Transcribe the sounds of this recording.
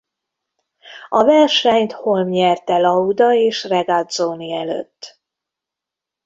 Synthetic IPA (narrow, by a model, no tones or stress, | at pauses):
ɒvɛrʃɛɲt̪ho̞lmɲɛrt̪ɛlɒud̪ɒeːʃrɛɡad̪zoːniɛlø̰t̪ː